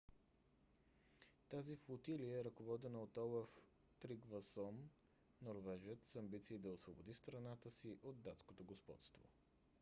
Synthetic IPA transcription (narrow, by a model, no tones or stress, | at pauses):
t̪aziflˠot̪iliəɛɾəkovɔd̪ɛnəot̪ɔlˠəf | t̪ɾiɡvəsɔm | noɾvɛʒɛt̪sɐmbit̪siːd̪ɐosvobod̪ist̪ɾɐnat̪əsiʔod̪̚ːat̪skot̪oɡospɔ̰t̪st̪vo̰